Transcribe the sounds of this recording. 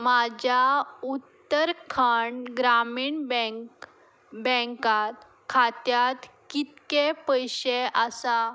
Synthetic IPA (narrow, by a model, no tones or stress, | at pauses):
mad͡ʑaut̪ːəɾkʰaɳɡɾamiɳbk | bɛ̃ŋkat̪ | kʰat̪jat̪kit̪kepəjɕeʔasa